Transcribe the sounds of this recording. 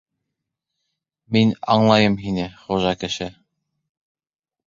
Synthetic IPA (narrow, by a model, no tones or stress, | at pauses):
minɑ̰ɴlˠɑjɤmɦinɘχuʒɑkɘ̆ʃɘ